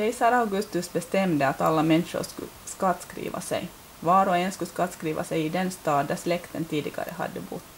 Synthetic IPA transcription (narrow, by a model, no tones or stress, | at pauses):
ɛɪsɑɾɑɡʉst̪ɵsbɛst̪ɛmd̪əɑt̪ɑ̰lːamɛnʂə̰ɾskʉ̰skɑt̪skɾḭːʋa̰sɛ̰j | ʋɑːɾɔɛnskʉskɑt̪skɾiːʋa̰sɛjɪd̪ɛnst̪ɑːd̪̚d̪æslɛkt̪ənt̪ʰiːd̪ɪɡɑ̰ɾə̰ɦɑ̰d̪ːəbʊ̰t̪ː